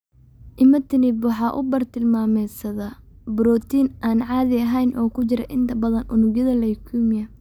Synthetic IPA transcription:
ʔɪmɐt̪ʰɪnɪbwɑħɑːʔʊ̰bɐrt̪ʰɪlmaːmɛjsɐðɐ | bɾɔːt̪iːnʔaːnʕɑːðɪɐɦɛjnʔɔːkʰʊt͡ʃɪɾɐ̰ʔɪnt̪ʰɐbɐðɐnʔʊnʊɡjɐðɐlɐjkʰumɪjɐ

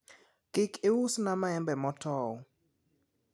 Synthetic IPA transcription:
ɡ̥ikewusnamaɛmbɛmɔtʰɔːwɔ

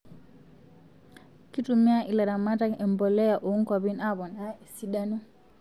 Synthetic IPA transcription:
kitumiaʔilaɾamataɛmbɔlɛjaʔɔŋkɔbinabɔnaɛsiɗanu

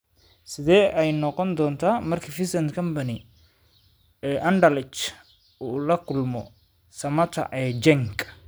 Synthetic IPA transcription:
sɪðɛːɛjnɔqɔnd̪ɔːnt̪ʰaːmɐrkʰifɪsɐnt̪kʰɐmpɐnɪ | ɛːʔɐnɖɐlɪt͡ʃ | uːlɐkʰʊlmɔ | sɐmɐt̪ʰɐ̰ʔɛːd͡ʒɛŋkʼ

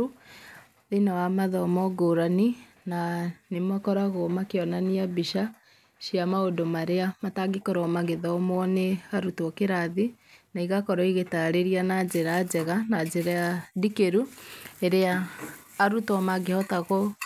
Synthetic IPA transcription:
ðenawamaðɔmɔɡoɾani | nanemakɔɾaɣomakeɔnaniabiʃa | ʃiamaodomaɾeamataɡekɔɾɔmaɣeðɔmɔneaɾutɔkeɾaðinaiɣakɔɾɔiɣetaɾeɾianad͡ʒeɾad͡ʑɛɣanad͡ʑeɾajadikeɾueɾeaː | ɾutɔmaɡehɔtaɣɔ

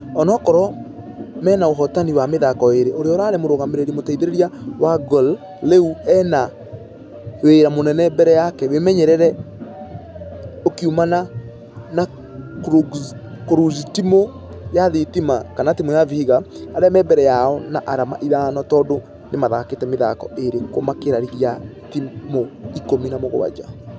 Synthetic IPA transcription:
ɔnɔkɔɾɔ | mɛːnaoɦɔtaniwameðakɔeɾeʔoɾeɔɾaːɾɛmoɾoɣameɾeɾemotaiðeɾeɾiawaɡɔl | leuɛna | hweɾamonɛnɛbɛɾɛjakɛwemɛɲɛɾɛɾɛ | okiumana | na | kɾkoɾuzitimo | jaðetimakanatimojavihiɣaaɾɛmɛbɛɾɛjaɔna̰ʔaɾama̰ʔiðanɔtɔːdo | nemaðaketɛmeða̰kɔeɾekomakeɾaɾiɾja | timoikominamoɣo̰wa̰d͡ʒa̰

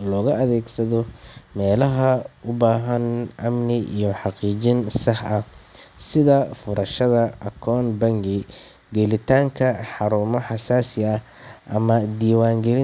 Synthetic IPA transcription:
lɔːɣɐɐðɛːɡsɐðɔmɛːlɐɦɐʊbaːɦɐnʔɐmnɪʔijɞħɑqiːt͡ʃɪnsɑħʔɐsɪðɐfʊɾɐʃɐðɐʔɐkʰɔːnbɐŋɡɪ | ɡɛlɪt̪ʰaːŋkʰɐħɑɾuːmɔħɑsaːsɪɐ | ʔɐmɐd̪iːwaːŋɡɛlɪ

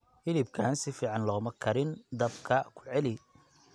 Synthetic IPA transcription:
hɪlɪb̚kʰaːnsɪfiːʕɑnlɔːmɐkʰɐɾɪnd̪ɐbkʰɐkʰʊ̥ʕɛlɪ

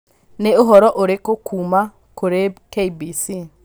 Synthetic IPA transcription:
neoɦɔɾɔʔoɾekokʰuma | koɾekeibisi

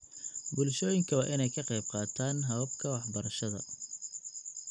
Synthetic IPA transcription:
bʊlʃɔːjɪŋkʰɐwɑːʔɪnɛjkʰɐqɑjb̚qɑːt̪ʰaːnɦɐβɐbkʰɐwɑħbɐɾɐʃɐðɐ̰

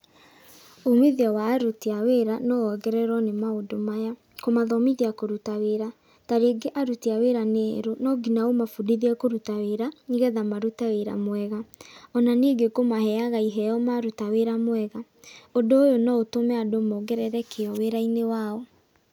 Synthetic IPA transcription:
omeðiɔwaːɾotiaweɾanɔɔɡɛɾɛɾɔnemaodomaja | komaðɔmiðiakoɾutaweɾa | taɾeɡeʔaɾutiaweɾaneɾonɔɡinaomafudiðiɛkoɾutaweɾaiɣɛðamaɾutaweɾa̰mwɛɣaɔnaneɡekomaɦɛaɣaiɦɛjɔmaɾutaweɾamwɛɣa | odoːjonɔotomɛadomoɡɛɾɛɾɛkʰeɔweɾainewaɔ

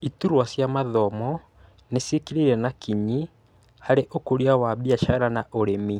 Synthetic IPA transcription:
ituɾwasjamaðɔmɔ | nesekiɾiɾɛnakiɲi | haɾeʔokoɾiawaβiaʃaɾanaʔoɾemi

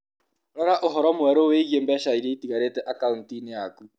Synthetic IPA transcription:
ɾɔɾaʔoɦɔɾɔmwɛɾoweiɣjembɛʃaiɾeitiɣaɾetɛʔakauntinejaku

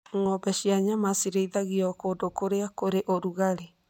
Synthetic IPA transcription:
ŋɔbɛʃiaɲamasiɾeiðaɣiɔkodokoɾeakoɾeʔoɾuɣaɾe

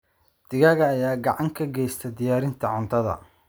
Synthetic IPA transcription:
d̪̥ɪɣɐɣɐːjaːɡɑʕɑŋkʰɐɡɛjst̪ʰɛd̪ɪjaːɾɪnt̪ʰɐʕʊnt̪ʰɐðɐ̰

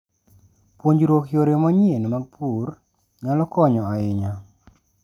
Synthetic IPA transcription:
pwoɲd͡ʒɾwokjoɾjomɔɲenmaɡ̚pʰur | ɲalɔkɔɲɔaɪɲa

